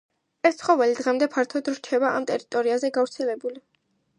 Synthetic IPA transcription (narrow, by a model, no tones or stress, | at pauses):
ɛst̪sʰχɔvɛlid̪ʁɛmd̪ɛpʰaɾt̪ʰɔd̪ɾt͡ʃʰɛbaa̰mt̪ʼɛɾit̪ʼɔɾiazɛɡavɾt̪sʰɛlɛbuli